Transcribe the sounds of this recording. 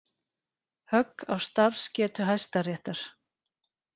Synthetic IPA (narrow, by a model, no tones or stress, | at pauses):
hœkːawst̪aɾ̥scɛːt̪ʏɦajst̪arjɛht̪aɾ̥